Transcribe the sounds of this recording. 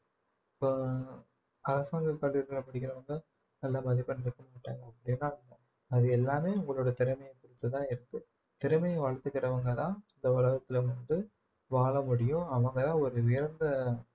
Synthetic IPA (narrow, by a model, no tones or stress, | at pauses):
ɪpːo | ɐɾɐsaːŋɡɐkɐɭɪɾɯkɪɾɐpɐɽɪkːɪɾɐʋɐŋɡɐ | nɐlːɐmɐðɪpːɐnɪɾɯkːɐmaːʈːa̰ːŋɡɐɐpːɐɽɪnːaːʋɐŋɡɐ | ɐðɯɛlːaːmeːʊŋɡɐɭoːɽɐt̪ɪɾɐmɐjɐ̃kʊɾɪt̪ːɯt̪ãːɪɾɯt̪ːɯ | t̪ɪɾɐmɐjɐ̃ʋɐɻɐt̪ːɯkːɪɾɐʋɐŋɡɐt̪ãːɪnd̪ɐʋɐɭɐɣɐt̪ːɪlɐʋɐnd̪ɯ | ʋaːɭɐmʊɽɪjʊ̃ɐʋɐŋɡɐt̪ãːɔɾɯʋɪɾɐnd̪ɐ